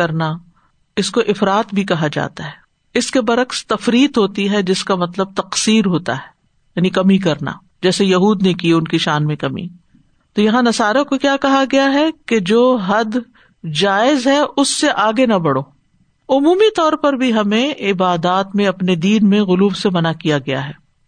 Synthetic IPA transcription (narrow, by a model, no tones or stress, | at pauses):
ɐɾna | ɪskoʔɪfɾaːt̪bʱikɐɦad͡ʒa̰ːt̪aɦɛː | ɪskebɐɾɐkst̪ɐfɾiːt̪ɦoːt̪iɦɛd͡ʒɪskamɐt̪ləb̚t̪ɐqsiːɾɦoːt̪a̰ɦɛ̥ː | jaːnikɐmik̬ɐɾna̰ | d͡ʒɛːsejɐɦuːd̪nekiʊnkiʃaːnmẽkɐmḭ | t̪ojɐɦãnɐsaːɾakokjaːkɐɦaɡɐjaɦɛked͡ʒoːɦɐd̪ | d͡ʒaːɪzɦɛʔʊsːeʔaːɡenɐbɐɽoː | ʊmuːmit̪ɔːɾpɐɾbʱiɦɐmẽɪbaːd̪aːt̪mẽɐpned̪iːnmẽɣʊluːbsemɐnakijaɡɐja̰ɦɛː